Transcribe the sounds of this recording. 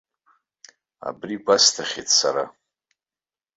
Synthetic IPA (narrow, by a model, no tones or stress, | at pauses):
a̰briɡʷastʰaχʲetʰʼsaɾa